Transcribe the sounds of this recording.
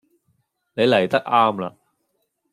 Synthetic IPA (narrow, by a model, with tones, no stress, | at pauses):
ne˨˧jlɐ˨˩jt̪ɐ˥k̚ʔaː˥mla̰˧